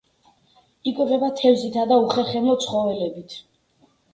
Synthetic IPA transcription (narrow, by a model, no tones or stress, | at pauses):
ikʼwiʁɛbat̪ʰɛvzit̪ʰad̪auχɛɾχɛmɔt̪sʰχɔvɛlɛbit̪ʰ